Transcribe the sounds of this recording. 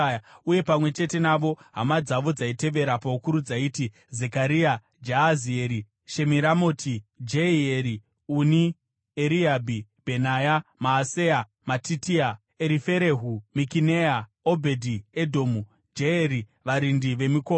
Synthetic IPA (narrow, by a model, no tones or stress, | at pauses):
uje̞pamwe̞t͡ʃe̞te̞naʋo̞ɦamad͡zaʋo̞d͡zaite̞ʋe̞ɾapaukuɾud͡zaiːti | zekaɾia | d͡ʒaazieɾi | ʃe̞miɾamo̞ːtid͡ʒeieɾi | uni | eɾiabʱib̥ʱe̞najamaːsea | matitia | eɾife̞ɾe̞ɦumikineja | obʱe̞dʱiedʱo̞ːmu | d͡ʒeeɾiʋaɾindiʋe̞miko